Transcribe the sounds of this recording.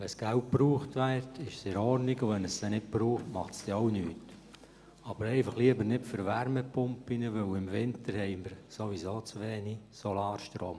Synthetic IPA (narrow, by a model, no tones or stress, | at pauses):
ʋɛsɡ̥ælt̚pɾuːχtvæːtʰɪʃsɛɾɔɾniɡʊʋɛnəstɛnɪt̚b̥ɾuːχtmɑχtsd̥ɛoʊnyːt | ɑb̥əɾɛɪfɑχliəbəɾnɪtfʏɾʋæɾmɛpʊmpinəʋɵwɪmvɪntəɾhɛɪməɾsoʋisoːt͡sʋeːnisolɑːɾʃtɾo̰ːm